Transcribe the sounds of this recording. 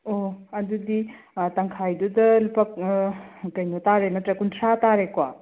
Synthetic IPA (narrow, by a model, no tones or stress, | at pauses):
oɐdudi | tɐŋkʰajdudɐlipɐk̚ | kɐjnotaɾemɐtɾɐkuntʰɾataɾekwa